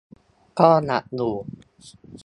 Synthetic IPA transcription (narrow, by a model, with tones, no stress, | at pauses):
kɔː˥˩na̰˨˩ʔnuː˨˩